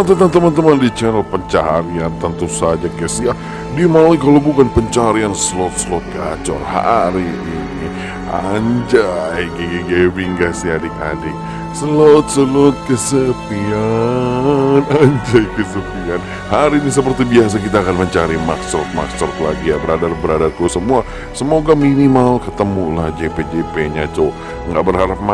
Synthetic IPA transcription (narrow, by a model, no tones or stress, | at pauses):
t̪ənt̪aŋt̪əmant̪əmandit͡ʃɛnəlpəɲt͡ʃaɦaɾiant̪ənt̪usad͡ʒakɛsiah | diamalakalobukanpəɲt͡ʃaɦaɾiansəlɔt̪̚səlɔt̪̚kat͡ʃɔ̰rha̰ɾiʔini | a̰ɲd͡ʒajɡeɡeɡemɪŋɡasiadɪk̚a̰dɪk̚ | səlot̪̚səlot̪̚kəsət̪ia | naɲd͡ʒajkəsət̪ian | haɾinisəpərt̪ibias̬akit̪aːkanməɲt͡ʃaɾima̰kst͡ʃɔt̪̚ma̰kst̪ɔrt̪laɡijabəɾadarbəɾadarkusəmua | səmoɡaminimalkət̪əmulahd͡ʒeped͡ʒepeɲat͡ʃɔ | ŋɡaʔbərhaɾap̚ma